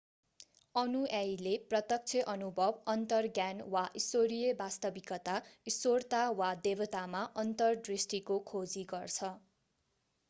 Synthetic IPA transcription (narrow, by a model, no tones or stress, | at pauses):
ʌnuajleprʌt̪ʌk̚t͡sʰeʔʌnubʱʌbʌnt̪ʌrɡjanwaʔisoɾijʌbast̪ʌbikʌt̪aisort̪awad̪ebʌt̪amaʔʌnt̪ʌrɖrisʈikokʰod͡ziɡʌrt͡sʰʌ